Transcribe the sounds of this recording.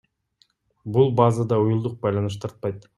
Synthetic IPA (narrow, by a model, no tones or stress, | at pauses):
bulˠbɑzad̪ɑujulˠd̪uq̚bɑjlˠɑnɯʃ̬t̪ʰɑɾt̪̚pɑjt̪